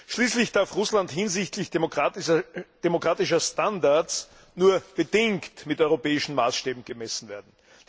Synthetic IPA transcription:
ʃliːslɪçd̥aɐfʁʊslantɦɪnzɪçtlɪç | d̥emokʁ̥aːtɪʃɐstandaɐt͡s | nuːɐb̥ədɪŋktmɪtʔɔʏʁopɛːɪʃn̩ma̰ːsʃteːbm̩ɡ̥əmɛsn̩veːɐdn̩

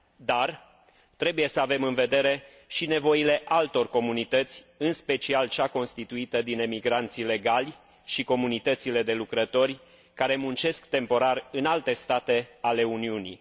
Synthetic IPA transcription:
d̪ar | t̪ɾe̞buje̞səave̞mɨnve̞d̪e̞ɾe̞ | ʃine̞vo̞ile̞ʔalt̪o̞rko̞munit̪ət̪sʲɨnspe̞t͡ʃialt͡ʃako̞nst̪it̪uit̪əd̪ine̞miɡɾant̪sile̞ɡalʲ | ʃiko̞munit̪ət̪sile̞d̪e̞lukɾət̪o̞rʲ | kaɾe̞munt͡ʃe̞skt̪e̞mpo̞ɾarɨnalt̪e̞st̪at̪e̞ale̞uniunḭ

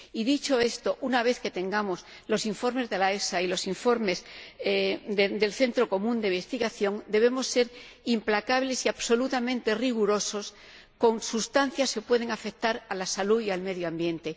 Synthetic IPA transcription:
iðit͡ʃo̞e̞st̪o̞ʔunaβ̞e̞θke̞t̪e̞ŋɡamo̞s | lo̞siɱfo̞ɾme̞zðe̞laesailo̞siɱfo̞ɾme̞z | d̪ed̪e̞lθe̞nt̪ɾo̞ko̞mũnd̪embest̪iɣaθjõ̞ŋd̪e̞β̞e̞mo̞sːe̞ɾimplakaβle̞siaβso̞lut̪amẽ̞nt̪e̞riɣuɾo̞so̞s | ko̞ŋsust̪an̟θjaske̞pwe̞ð̞e̞ŋafe̞kt̪aɾalasalujalme̞ðjoambje̞nt̪e̞

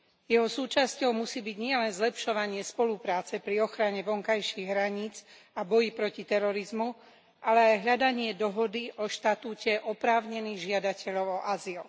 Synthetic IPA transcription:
jɛɦɔsuːt͡ʃascɔʊmusiːbiɟɲɪɛlɛnzlɛpʃɔʋaɲɪɛspɔlupɾaːt͡sɛpɾiɔxɾaɲɛʋɔŋkajʃiɣɦɾaɲiːd͡z | abɔjipɾɔcit̪ɛɾɔɾizmu | ʔalɛajɦʎad̪aɲɪɛd̪ɔɦɔd̪iʔɔʃt̪at̪uːcɛʔɔpɾaːʊɲɛniːɣʒɪad̪acɛʎɔʊɔʔazil

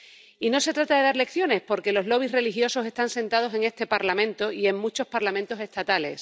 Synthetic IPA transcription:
ino̞se̞t̪ɾat̪aðe̞ðaɾle̞kθjo̞ne̞spo̞ɾke̞lo̞zlo̞β̞isre̞lixjo̞so̞se̞st̪anse̞nt̪að̞o̞se̞ŋe̞st̪e̞paɾlamẽ̞nt̪o̞ie̞ŋmut͡ʃo̞spaɾlamẽnt̪o̞se̞st̪at̪ale̞̰s

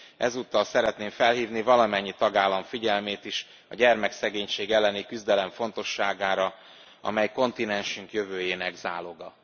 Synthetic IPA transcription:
ʔɛzuːt̪ːɒlsɛɾɛt̪neːɱfɛlɦiːvnivɒlɒmɛɲːit̪ɒɡaːlːɒɱfiɟɛlmeːt̪iʃ | ɒɟɛrmɛksɛɡeːɲʃeːɡɛlːɛnikyzd̪ɛlɛɱfo̞nt̪o̞ʃːaːɡaːɾɒ | ɒ̰mɛjko̞nt̪inɛnʃyŋkjøvøːjeːnɛɡzaːlo̞ɡɒ

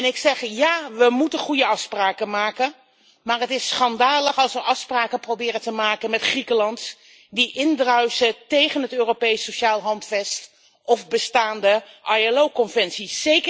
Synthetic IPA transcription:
ɛnɪksɛχjaːʋəmutənχujəɑfspraːkənmaːkən | maːrɦətɪsχɑndaːləχɑlˠsʋəʔɑfspraːkəprowbɪːrəntəmaːkənmɛtχrikəlɑnt | diʔɪndrœɥsətejχənɦətøːropejsoʃaːlˠɦɑntfɛst | ʔɔfbəstaːndəʔɑjalowkɔnvɛnsiːejkə

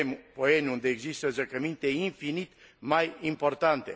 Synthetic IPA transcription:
mpɔɛnund̪ɛːɡzist̪əzəkəmint̪ɛinfinit̪ | majimpɔɾt̪ant̪ɛ

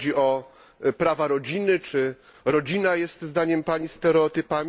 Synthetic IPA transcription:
iʔɔ | pɾavaɾɔd͡ʑinɘt͡ʂɘ | ɾɔd͡ʑinajɛst̪zd̪aɲɛmpaɲist̪ɛɾɛɔt̪ɘpamʲ

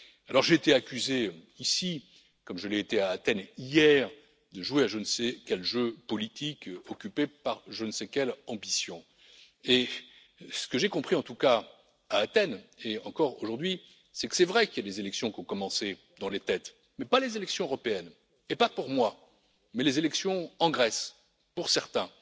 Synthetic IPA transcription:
alɔʁʒeːt̪eakʲyze | isi | kɔmʒəleet̪eaːt̪ɛnijɛʁ | d̪əʒweaʒənsɛkʲɛlʒøpɔlit̪ʰikɔkʲypepaʁʒənsɛkʲɛlɑ̃bisjɔ̃ | e | sə̥kəʒekɔ̃pχiɑ̃t̪uka | aːt̪ɛneɑ̃kɔʁo̰ʒuʁd̪ɥi | sɛkə̥sɛvʁɛkiljad̪ezelɛksjɔ̃kɔ̃kɔmɑ̃se | d̪ɑ̃let̪ɛt̪ | mɛpalezelɛksjɔ̃øʁɔpeɛn | epapuʁmwa | mɛlezelɛksjɔ̃ɑ̃ɡʁɛs | puʁsɛʁt̪ɛ̃

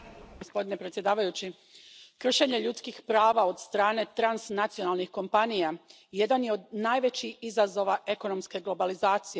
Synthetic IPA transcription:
ɡospo̞d̪ine̞pɾe̞t̪sjed̪aːʋajut͡ɕi | kr̩ʃeɲe̞ʎut̪skixpɾaːʋao̞d̪st̪ɾaːne̞t̪ɾansnat̪sijo̞nalˠnixko̞mpanija | je̞d̪anjeo̞d̪naːjʋe̞t͡ɕiizazo̞ʋaʔe̞ko̞no̞mske̞ɡlˠo̞balizaːt̪sije

